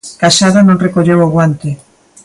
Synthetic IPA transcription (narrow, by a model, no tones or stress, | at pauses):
kaʃaðanõŋrekoʎewoɣwant̪ɪ